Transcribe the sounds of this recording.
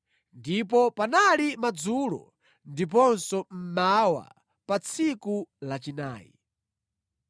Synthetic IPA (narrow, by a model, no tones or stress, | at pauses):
ndipɔpanalimad͡zuːlɔ̰ | ndip̬ɔnsɔm̩mawa̰ | pat͡sʰikulat͡ʃina̰ːjḭ